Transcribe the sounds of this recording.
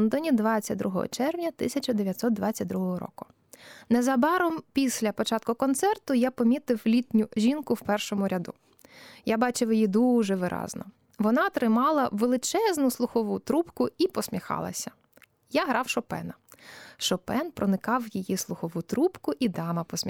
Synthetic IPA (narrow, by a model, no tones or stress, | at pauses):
nd̪ɔnʲid̪ʋɑt͡sʲɐt̚ʲd̪ɾuɦɔ̰ɦɔ̰t͡ʃɛrwnʲɐt̪ɪsʲɐt͡ʃɐd̪eʋjɐt̪ʲsɔt̪̚d̪ʋat͡sʲːɐt̚ʲd̪ɾuɦɔɦɔɾɔ̰kʊ̥ | nɛzɐbɑɾɔmpʲisʲlʲɐpɔt͡ʃɑt̪̚kʊkɔnt̪sɛrt̪ʊjapɔmʲit̪ɪwlʲit̪ʲnʲʊʒʲinkʊwpɛrʃɔmʊɾʲɐd̪ṵ | jabɑt͡ʃɪwjijid̪uʒɛʋɪɾʔɑ̰znɔ̰ | ʋɔnɑt̪ɾɪmɑlˠɐʋelˠɪt͡ʃɛznʊslˠʊxɔʋut̪ɾupkʊipɔsʲmʲixɑ̰lˠɐ̰sʲɐ | jaɦɾɑwʃɔpɛ̰nɐʃɔpɛnpɾɔnɪkɑwjijislˠʊxɔʋut̪ɾupkʊʔid̪ɑmɐpɔsʲmʲi